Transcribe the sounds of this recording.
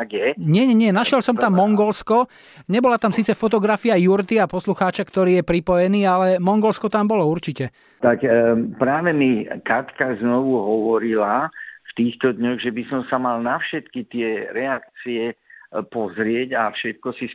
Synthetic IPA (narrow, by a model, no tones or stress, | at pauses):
aɡjɛɲɪɛɲɛɲɪɛnaʃjɛlsɔmt̪amːɔŋɡɔlskɔ | ɲɛbɔlat̪amsiːt͡sɛfɔt̪ɔɡɾafiajuɾt̪iapɔsluxaːt͡ʃakt̪ɔɾiːjɛpɾipɔjɛniːalɛmɔŋɡɔlskɔt̪ambɔlɔuɾt͡ʃicɛ | t̪akpɾaːʋɛmikat̪kaznɔʋuɦɔʋɔɾilaft̪iːxt̪ɔd̪ɲɔɣʒɛbisɔmsamalnafʃɛt̪kit̪ɪɛɾɛak̚t͡siɛpɔzɾɪɛɟafʃɛt̪̚kɔsi